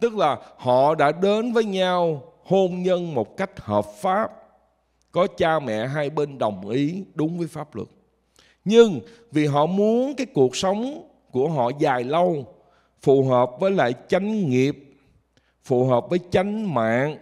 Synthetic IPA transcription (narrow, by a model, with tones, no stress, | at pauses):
t̪ɨ˦˥k̚laː˨˩hɔ̰˧˨ɗa̰ː˧˥ɗe˨˦nvəː˨˦jɲa˧w | ho˧mɲə˧nmo˨˩t̚ka˦˥jk̟̚həː˨˩p̚faː˦˥p̚ | kɔ˨˦t͡ɕaː˧mɛ̰˧˨ɦa˧jɓe˧nɗə˨˩wŋ͡mʔi˨˦ɗʊ˨˦ŋ͡mvəː˨˦jfaː˦˥p̚lɨ̰˨˩k̚ | ɲɨ˧ŋ | vi˨˩ɦɔ̰˧˨mu˨˦ənkaː˨˦jku˨˩ək̚sə˨˦wŋ͡m | ku˧˩əɦɔ̰˧˨zaː˨˩jlə˧w | fu˨˩ɦəː˨˩p̚vəː˨˦jla̰ː˧˨jt͡ɕa˨˦jŋ̟ŋi˨˩əp̚ | fṵ˧˨˩ɦəː˨˩p̚vəː˨˦jt͡ɕa˨˦jŋ̟ma̰ː˧˨ŋ